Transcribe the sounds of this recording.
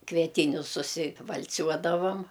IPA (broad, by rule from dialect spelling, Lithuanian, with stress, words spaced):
kʋʲiɛˈtʲiːnʲʊs sʊsʲɪʋɐlʲˈt͡sʲuɔdɐʋɐm